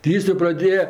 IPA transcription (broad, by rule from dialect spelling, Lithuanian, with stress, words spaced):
tʲɪ ˈjɪs joː prɐˈdʲeːjɛ